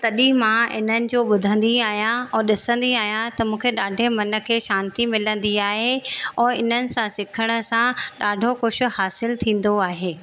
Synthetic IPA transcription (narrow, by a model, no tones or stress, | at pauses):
t̪ɐɗĩmãɪ̰n̤ənɪ̆d͡ʑoːɓʊd̪ʱə̃nd̪iaːɦijãɛ̃ːɗɪsə̃nd̪iaːɦijãt̪ɐmũːkʰeɗaːɖʱemɐnə̆kʰeːʃãːnt̪imɪlə̃nd̪iaːɦeɛ̃ːɪn̤ənɪ̆sãsɪkʰəɽ̃ə̆sãɗaːɖʱoxʊʃʊ̆haːsɪlt̪ʰĩːn̆d̪oaːɦeː